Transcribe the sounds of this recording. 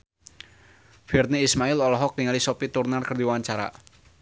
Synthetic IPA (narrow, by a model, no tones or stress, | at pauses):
b̥irniːsmaɪlɔlɔɦɔk̚t̪iŋalisɔpit̪urnarkərd̪iwaɲt͡ʃaɾa̰